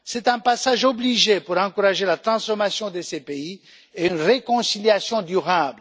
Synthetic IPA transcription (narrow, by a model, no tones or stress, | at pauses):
sɛt̪ɛ̃pasaʒɔbliʒepuʁɑ̃kuʁaʒelat̪ʁɑ̃sfɔmasjɔ̃d̪əsepei | eynʁekɔ̃siljasjɔ̃d̪yʁabl